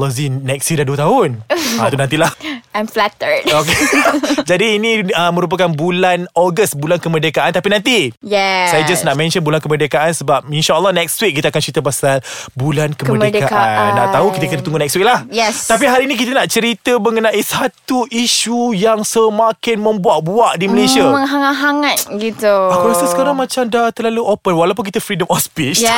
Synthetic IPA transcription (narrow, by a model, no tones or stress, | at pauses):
lɔzinɛk̚sidaduət̪aɦʊnãt̪unãnt̪ilahãjmflatəɹd̚oked͡ʒadiːnĩəmə̃ɾup̬əkanbulanɔɡəsbulankəmərdekaʔant̪apinãnt̪ijɛsajad͡ʒasnaʔmɛ̃nʃənbulankəmərdekaʔansəbap̚inʃaəlːɔnɛkst̪wik̚ːit̪əakant͡ʃəɾit̪əp̬asalbulankəməədkakaanːa̰ʔt̪aɦukit̪əkənət̪uŋɡunɛkstwik̚lahjɛst̪ap̬iɦaɾiinĩk̬it̪ənaʔt͡ʃəɾit̪əməŋənãisat̪uʔiʃujaŋsəmakɪnmə̃mbuaʔbuaʔdiməlesiəəŋɦaŋat̪̚ɦaŋat̪̚ɡit̪uakasəsə̥kaɾaŋmãt͡ʃamdat̪əlaluʔopənwalawp̬ʊnk̬it̪əfɾidəmɔspis